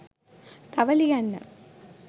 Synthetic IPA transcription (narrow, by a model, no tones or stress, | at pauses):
t̪ɐʋɐlijɐnːɐ̰